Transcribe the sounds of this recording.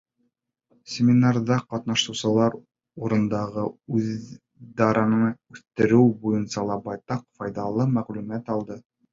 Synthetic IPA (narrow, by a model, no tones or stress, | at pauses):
sʲɪmʲɪnɑrðɑqɑt̪nɑʃɤ̆wsɤ̆lˠɑɾ | uɾɤ̆nd̪ɑʁɤʉð | d̪ɑɾɑnɤɴʉθt̪ɘ̆ɾɘwbujɤnsɑlˠɑbɑjt̪ɑqfɑjðɑlˠɤmæʁlʉmæt̪ɑlˠd̪ɤ